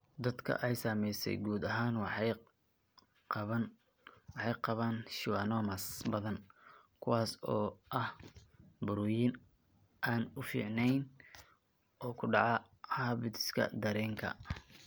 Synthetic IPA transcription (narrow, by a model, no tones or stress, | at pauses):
d̪ɐd̪kʰɐ̰ʔɛjsaːmɛjsɛ̰jɡuːd̪ɐɦaːnwħ | qɐn | wɑħɑjqɑβaːnʃɪwɑːnɔːmɐsbɐðɐnkʰʊwɑːsɔːʔɐh | bʊɾʊːjɪn | ʔaːnʊfḭːʕnɛjn | ɔːkʰʊɖɑʕɑ | hɐbɪd̪ɪ̥skʰɐ̰d̪ɐɾɛːŋkʰɐ̰